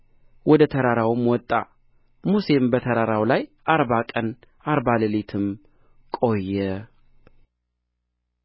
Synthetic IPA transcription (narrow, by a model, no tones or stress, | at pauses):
wɔd̪ət̪ʰəɾaɾawɨmwɔt̪ʼːa̰ | muse̞mbət̪ʰəɾaɾawlajʔaɾbakʼən | aɾbalɨlet̪ʰɨm | kʼo̞jːɛ